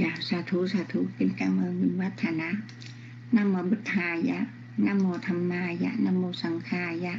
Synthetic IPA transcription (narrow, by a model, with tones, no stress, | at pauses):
ja˧˩saː˨˧˩t̪ʰuː˧˦saː˧t̪ʰuː˧˦pe˧˨nkaː˧ŋmaː˧ŋɯ˧˨nwa˦˥t̪ʰːa˧na˧˦˥ʔ | na˧˥˨mɔː˧bu˧˩t̪ʰːaː˧ja˧ | na˧˥˨mːɔː˧t̪ʰa˧mnaː˧ja̰˧˩na˧˥˨mːɔː˧sa˨˦ŋkʰaː˧˩ja˧˨ʔ